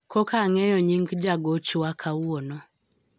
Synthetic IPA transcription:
kʰɔkaŋɛjɔɲiŋɡd͡ʒaɡɔt͡ʃwakʰawɔnɔ

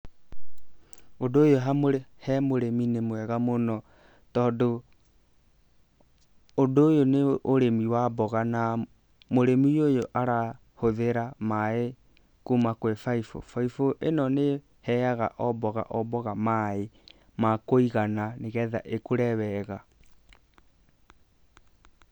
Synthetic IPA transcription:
odoːjoɦamoɾehɛmoɾeminemwɛɣamonɔ | tɔːndo | doːjoneoɾemiwabɔɣana | moɾemiojoʔaɾa | hoðeɾamae | kumakwɛfaifɔ̰faifoʔenɔne | hɛaɣa̰ʔɔbɔɣa̰ʔɔbɔɣamae | makoiɣananeɣɛða̰ʔekoɾɛwɛɣa

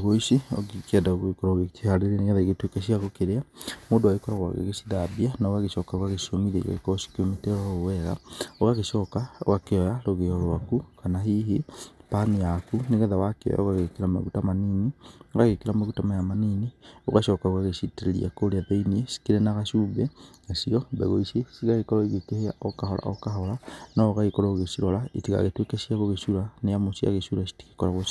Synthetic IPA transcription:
ɣoiʃio̰ɡikadaoɣekoɾaoɣet͡ʃehaɾeɾeneɣɛðaeɣetwekaʃiaɣokeɾeamoːdoaɣekɔɾaɣwa̰ɣḛɣesiðabianaoɣaɣeʃɔkaɣaɣeʃomiðḛɣa̰ɣḛkɔsi̥kometɛɾaɣowɛɣa̰oɣaɣeʃɔːkao̰ɣakeɔjaɾoɣeɔɾwakukanaɦiɦepanijakuneɣɛðawakeɔ̰ja̰oɣaɣekeɾama̰ɣutamaniːnioɣaɣekeɾamaɣutamajamaninioɣaʃɔkaoɣaɣeʃiteɾeɾḭa̰koɾeaðeinesi̥kiɾenaɣaʃuːbenasiɔmbɛ̰ɣoisesiɣaɣekɔɾɔiɣekehea̰okaɦɔla̰okaɦɔlanɔːɣaɣekɔɾɔɣesiɾɔlaitiɣa̰ɣetwekeʃjaɣoɣeʃuɾanejamosia̰ɣeʃuɾasi̥ti̥ki̥kɔɾaɣo

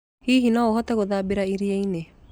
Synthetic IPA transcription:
hiːɦinɔoɦɔt̪ɛɣoðaːbeɾaiɾieine

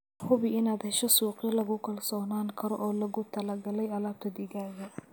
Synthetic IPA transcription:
hʊβɪɪnaːd̪hɛʃɔsuːqɪjɐlɐɣʊkʰɐlsɔːnaːŋkʰɐɾɔ̰ʔɔːlɐɣʊt̪ʰɐlɐɡɐlɛjɐlaːb̚t̪ʰɐd̪ɪɣaːɣɐ

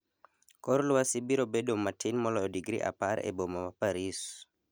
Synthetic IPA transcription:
kɔɾlʊwasibiɾobedomatʰinmɔlɔdiɡɾḭʔa̰paɾḛbomawapaɾis

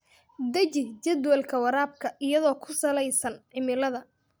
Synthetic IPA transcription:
d̪ɐt͡ʃɪhd͡ʒɐd̪wɐlkʰɐwɐɾaːb̚kʰɐʔɪjɐðɔːkʰʊsɐlɛjsɐnʕɪmɪlɐðɐ

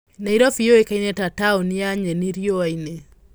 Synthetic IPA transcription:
naiɾɔfijoekainɛtataoniaɲɛniɾjoaine

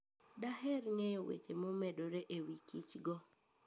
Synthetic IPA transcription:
daɦɛɾŋejowḛt͡ʃemomɛdoɾeʔewikit͡ʃɡɔ

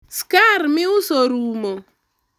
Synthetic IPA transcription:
skaɾmɪʊsoɾumo

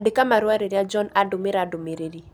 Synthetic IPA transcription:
dɪkamaɾʊaɾeɾjad͡ʒɔnadʊmɪɾadʊmeɾeɾi

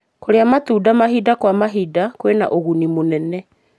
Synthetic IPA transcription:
koɾeamatuːdamaɦidakwamaɦidakwena̰ʔoɣunimonɛnɛ

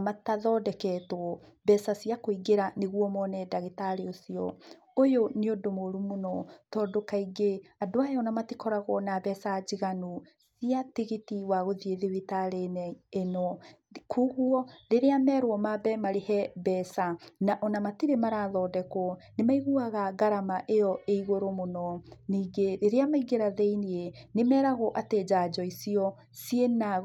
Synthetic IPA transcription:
mataðɔːdɛkɛtwɔbɛsasiakoiɡeɾaneɣwɔmɔnɛdaɣetaɾeosiɔ̰ | ojoneodomoɾumonɔtɔːdokaiɡeadoajɔnamatikɔɾaɣɔnabɛsad͡ʑiɣanu | siatiɣitiwaɣoðieðiβitaɾenɛenɔ | kʰuɣuɔɾeɾeamɛɾwɔmabɛmaɾehɛbɛsanaʔɔnamatiɾemaɾaðɔːdɛkɔnemaiɣuaɣaɡaɾamaʔeɔʔeiɣoɾomonɔniːɡeɾeɾeamaiɡeɾaðeinienemɛːɾaɣɔʔated͡ʑad͡ʑɔisiɔ | siena

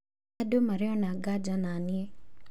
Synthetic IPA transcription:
adomaɾɛɔnaɡad͡ʒananie

